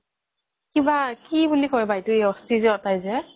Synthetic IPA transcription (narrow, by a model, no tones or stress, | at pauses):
kibakibulikɔɹɛbajtʊejɔstizɛɔtajzɛ